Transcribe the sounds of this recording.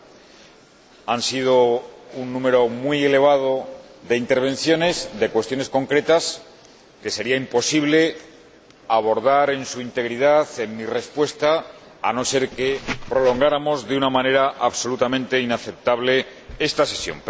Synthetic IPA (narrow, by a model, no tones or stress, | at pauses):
ansið̞ounːũme̞ɾo̞mwuie̞le̞β̞að̞oðe̞int̪e̞ɾβ̞ẽ̞n̟θjo̞ne̞zðe̞kwe̞st̪jo̞ne̞sko̞ŋkɾe̞t̪as | ke̞se̞ɾiaimpo̞siβ̞le̞ | aβ̞o̞ɾðaɾe̞nsuint̪e̞ɣɾið̞aθe̞mmire̞spwe̞st̪a̰ː | no̞se̞ɾkepɾo̞lo̞ŋɡaɾamo̞zðunamane̞ɾaʔaβso̞lut̪amẽ̞nt̪e̞inaθe̞p̚t̪aβle̞ | e̞st̪ase̞sjo̞̰m